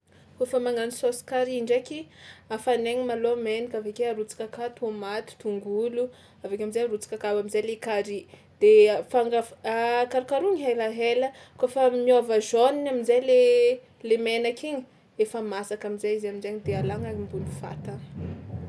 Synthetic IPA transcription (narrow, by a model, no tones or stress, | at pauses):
kofəmaŋanisosi̥kaɾiɳɖ͡ʐekiafaneŋimalomenikavekeaɾut͡si̥kakat̪uomat̪u̥t̪uŋɡulu | avekʲamizajɾut͡si̥kakabamizajlekaɾi | d̪̥efaŋɡaakaɾikaɾuŋiɦajlaɦelə | kofəmiovaʒoninamizajle | lemenakiɲi̥ | efəmasakamizajizamizaɲid̪ealaŋaɾimbulifa̰t̪a